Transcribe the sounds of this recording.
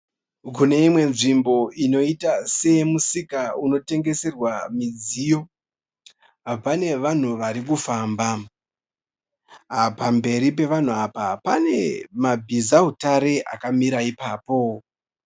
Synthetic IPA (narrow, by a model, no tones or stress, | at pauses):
kune̞imwe̞nʐimbo̞ino̞itase̞musikauno̞te̞ŋɡe̞se̞rwamid͡zijo̞ | apane̞ʋan̤uʋaɾikufaːmba | ɦapambe̞ɾip̬e̞ʋan̤uapapane̞̰mabʱizaɦutaɾe̞ʔa̰kamiɾaipaːpo̞